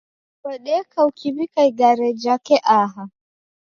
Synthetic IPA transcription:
waɗɛkawkibikajɡaɾɛd͡ʒakɛʔaːɦa

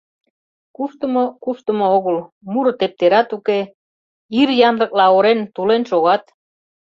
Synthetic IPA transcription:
kuʃt̪ə̆mokuʃt̪ə̆mooɣəl | muɾɤt̪ep̚t̪eɾɑt̪uke | iɾjɑnlɤ̆k̚lɑoɾent̪ulenʃoɣɑt̪

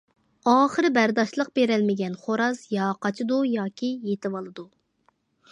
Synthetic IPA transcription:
ɑːχəɾɨbæɾd̪ɑʃlˠəq̚beɾɛlmɪɡʲɛnχoɾɑsjɑqɑt͡ʃʰɨd̪ujɑːkʲʰijet̪ɪwɑlˠɨd̪u

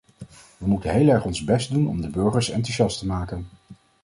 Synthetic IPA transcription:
ʋəmutənɦejlɛɹχɔnzbɛstdunɔ̰mdəbɵɹχəɹsɑ̰ntuʃɑstəmaːkən

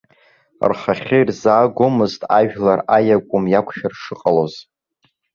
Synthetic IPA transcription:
rχaχʲɪirzaːɡʷomɨztʼaʒᶣlarajakʷʼʊmjakʷʰʼʃᶣarʂɨqʼalo̞z

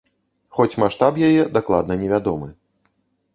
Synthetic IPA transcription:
xɔt͡sʲmaʂt̪apjajɛd̪aklˠa̰d̪nɐnʲɛvʲad̪ɔmɨ

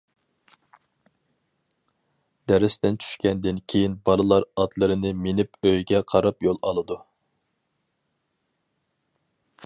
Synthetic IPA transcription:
d̪̥ɛɾɪst̪ɛnt͡ʃʰy̥ʃkʲɛnd̪ɪnkʲʰejinbɑɾˠɨlˠɑɾɑt̪lˠɨɾɨnɨmenɪpøjɡʲɛqʰɑɾɑpjolˠɑlˠɨd̪u

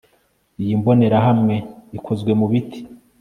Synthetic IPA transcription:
ijimbo̞ne̞ɾaɦamŋe̞ikʰo̞zɡwe̞muβitʰi̥

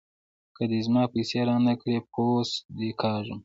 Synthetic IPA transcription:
kəd̪ezmɑːpiseɾɑnakɽeposd̪ekʰɑːʒəm

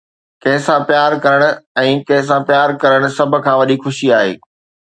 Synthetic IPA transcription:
kɐ̃ɦɪ̃sãpjaːɾkɐɾəɽ̃ʊ̆ɛ̃ːkɐ̃ɦɪ̃s̬ãpjaːɾkɐɾəɽ̃ʊ̆sɐb̆ʱkʰãːʋɐɗixʊʃiaːɦḛː

